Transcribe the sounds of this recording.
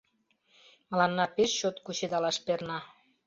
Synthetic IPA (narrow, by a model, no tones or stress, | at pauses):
mə̆lɑnːɑpeʃːot̪kuɕed̪ɑlɑʃpernɑ